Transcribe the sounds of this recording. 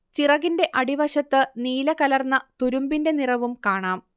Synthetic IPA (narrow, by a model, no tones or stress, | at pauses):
t͡ɕirɐɣinde̞ʔɐɽiʋɐɕɐt̪ːɨniːlɐkɐlɐrnːɐt̪uɾumbinde̞nirɐʋumkaːɳaːm